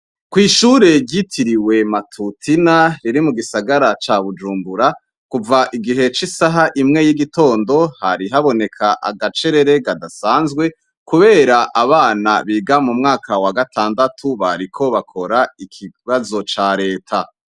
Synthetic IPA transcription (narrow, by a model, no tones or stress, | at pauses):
kwiːʃuɾe̞ɾɟitʰiɾiwe̞matʰutʰinaɾiɾimuɡisaɡaɾat͡ʃaβud͡ʒuːmbuɾa | kuvaʔiɡiɦe̞t͡ʃisaɦaʔimŋe̞jiɡito̞ːndo̞haɾiɦaβo̞ne̞kʰaʔa̰ɡat͡ʃe̞ɾe̞ɾe̞ɡadasaːnzɡwe̞ | kuβe̞ːɾaʔaβaːnaβiːɡamumŋaːkʰawaɡatʰaːndatʰuβaɾikʰo̞βakʰo̞ɾaikʰiβazo̞t͡ʃaːɾe̞ːtʰa